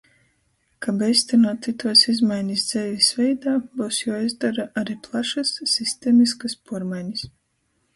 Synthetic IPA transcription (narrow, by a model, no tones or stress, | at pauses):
kabɛjst̪ʲɛnuɔt̪sit̪uɔsizmajɲisd̪z̥ɛvʲisvʲɛjd̪aːbuːsjaːazd̪aɾaʔaɾiːplˠaʃasːisʲt̪eːmiskaspuɔɾmajɲis